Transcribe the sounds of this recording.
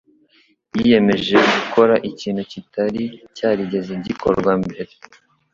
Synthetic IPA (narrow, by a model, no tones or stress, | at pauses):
jije̞me̞ʒe̞ɡukʰo̞ɾaʔiciːn̤̥hucitaɾicaːɾiɟe̞zeɲɟikʰo̞̰ɾɾɡwambeɾe